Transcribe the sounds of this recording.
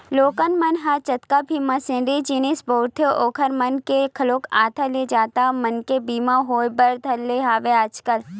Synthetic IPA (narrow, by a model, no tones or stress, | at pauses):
loːkənmɐnɦat͡ʃɐt̪kabʱiːmãsɪ̃nɾid͡ʒiːnɪsboːɾt̪ʰeʔoːkʰəɾmɐnkekʰɐloːkʰaːt̪ʰəled͡ʒaːt̪amɐnkebiːmãɦoːbɐɾd̪ʱɐlːeɦaːʋeaːd͡ʒkəl